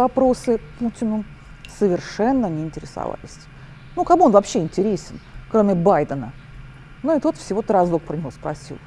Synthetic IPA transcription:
vɐpɾo̞sɨputʲɪnʊ | səvʲɪrʂɛnːənʲɪɪnʲtʲɪɾʲɪsɐ̰va̰lʲɪsʲ | nukɐbɨonvɐpɕːeɪnʲtʲɪɾʲesʲɪnkɾomʲɪbajd̪ənə | nuɪt̪ot̪fsʲɪvo̞t̪ɾɐzlˠok̚pɾənʲɪvospɾɐsʲḭlˠ

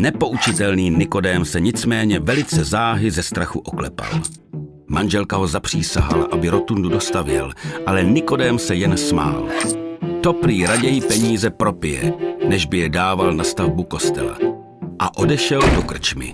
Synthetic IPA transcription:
nɛpo̞ʔut͡ʃɪt̪ɛlniːnɪko̞dɛːmsɛɲɪt͡smɛːɲɛvɛlɪt͡sɛzaːɦɪzɛst̪ɾaxuʔo̞klɛpa̰l | manʒɛlkaɦo̞zapr̝̥iːsa̰ɦa̰la̰ʔabɪɾo̞t̪undudo̞st̪avjɛ̰lʔalɛnɪko̞dɛːmsɛjɛnsma̰ːlt̪o̞pɾiːɾaɟɛjɪpɛɲiːzɛpɾo̞pɪjɛ̰nɛʒbɪjɛdaːvalnast̪avbuko̞st̪ɛla̰ | ʔaʔo̞dɛʃɛldokr̩t͡ʃmɪ̰

